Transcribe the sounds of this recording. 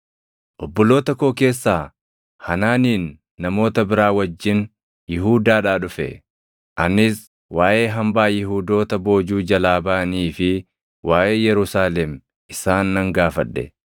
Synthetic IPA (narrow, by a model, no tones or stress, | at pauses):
ʔɔbːɔlo̞ːt̪ɐkoːke̞ːsːaː | hɐnaːniːnː | ɐmo̞ːt̪ɐbɪɾaːwɐd͡ʒːɪn | jɪɦuːd̪aːᶑaːᶑʊfɛ̰ | ʔɐnɪs | waːʔe̞ːɦɐmbaːjɪɦuːd̪o̞ːt̪ɐbo̞ːd͡ʒuːd͡ʒɐlaːbaːniːfɪ | wʔaːʔe̞ːjɛɾʊsaːlɛm | ɪsaːnːɐŋɡaːfɐᶑːɛ̰